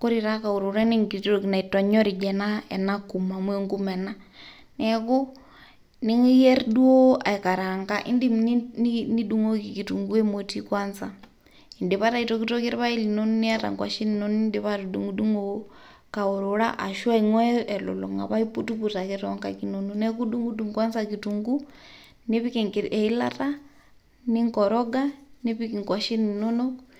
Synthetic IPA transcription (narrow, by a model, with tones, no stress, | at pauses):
ko˦ɾi˨ɾa˦ka˨u˨ɾu˨ɾa˦ni˦ŋɡi˨to˨kna˨i˨tɔ˨ɲɔ˦ɾi˨d͡ʒɛ˨na˦ɛ˨na˦ku˨ma˨mwe˦ŋɡu˦mɛ˨na˦ | nɛ˨kʊ˦ | ni˦ŋi˦jɛ˦ɾdu˦o˦a̰˨i˨ka˨ɾa˨ŋka˦ʔɪ˦ndi˦mn˦n˦ni˦du˨ŋo˦ki˨ki˨tu˨ŋɡu˦e˦mo˨ti˦kwa˦nsa˨ | i˨ndiβaɾa˦itɔki˦tɔki˦ɾɛ˦βa˦ilinɔnɔ˦ni˦ata̰˨ŋkwa̰˨ʃi˦ni˨nɔni˦ndiβaɾuɗu˨ŋɡuɗu˦ŋo | ka˨o˨ɾuɺa˦ʔa̰˨ʃwa˦iŋwɛː˨lɔ̰˨lɔ̰˨ŋa̰˨βa˦ipu˦tuβu˨takɛɾɔŋkakinɔnɔnɛ˦k̬u˦ɗuŋɡu˦du˦ŋkwa˦nzakituŋɡu | ne˦βi˦kɛ˨ŋki˨ɾʔɛ˨i˦la̰ta | ni˦ŋkɔɾɔɡaniβi˦ki˨ŋkwa˨ʃi˦ninɔ˦nɔ